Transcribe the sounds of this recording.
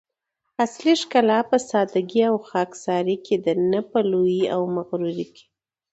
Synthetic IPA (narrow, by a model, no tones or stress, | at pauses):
asliʂkalɑpəsɑd̪aɡiawxɑksɑɾikʰed̪ənəpəlojia̰wmaɣɾuɾike̥